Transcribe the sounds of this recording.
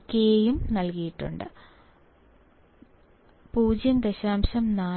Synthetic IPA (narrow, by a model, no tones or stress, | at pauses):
kʲːeejumnɐlkijiʈːṵɳɖɨ̰ | puːd͡ʑjɐnd̪eɕaːmɕɐmnaː